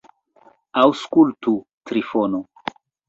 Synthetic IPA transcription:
awskultutɾifono

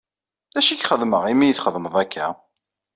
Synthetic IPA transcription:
æʃiçχəðməʁimijəθχəðˤməðˤækʰːæ

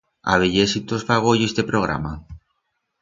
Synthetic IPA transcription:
a̰βeʎesit̪ozfaɣ̞oʎezd̪epɾoɣɾa̰ma

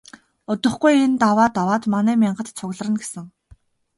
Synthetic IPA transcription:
ʊt̪ɵ̆χɡujent̪awaːt̪awaːt̪manæːmʲiɴɢə̆t̪t͡sʰʊɣɮ̆rə̆nɡesɘ̆ŋ

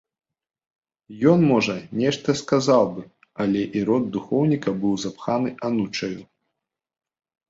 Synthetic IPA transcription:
jɔnmɔʐɐnʲɛʂt̪ɐskazawbɨ | ɐlʲɛʔiɾɔd̪̚ːuxɔwnʲikɐbɨwzapxanɨʔanut͡ʂɐju

